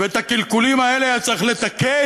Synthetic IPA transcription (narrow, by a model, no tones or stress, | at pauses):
veet̪akilkulimaelejat͡sʁiχle̞t̪ake